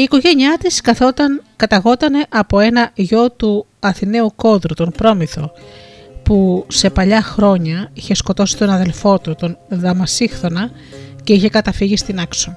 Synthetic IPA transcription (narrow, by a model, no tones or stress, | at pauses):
iːko̞ʝe̞ɲiɐt̪iskɐθot̪ɐnkɐt̪ɐɣo̞t̪ɐne̞ʔɐpo̞e̞nɐʝo̞t̪uɐθine̞uko̞ðɾut̪onpɾo̞miθo̞ | puse̞pɐʎɐxɾo̞ɲɐiçe̞sko̞t̪o̞si̥t̪o̞nɐðe̞lfo̞t̪ut̪o̞nðɐmɐsixθo̞nɐ | ce̞içe̞kɐt̪ɐfiʝist̪inɐkso